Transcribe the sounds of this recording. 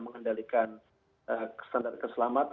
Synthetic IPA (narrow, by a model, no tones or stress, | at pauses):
məŋəndalikan | ʔəəst̪andar̚kəsəlamat̪